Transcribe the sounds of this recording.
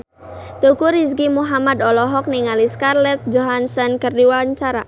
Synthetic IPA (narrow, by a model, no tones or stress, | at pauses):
t̪ukuɾiskimuɦamad̪ɔlɔɦɔk̚niŋaliskarlɛt̪̚d͡ʒoɦansankərdiwaɲt͡ʃaɾa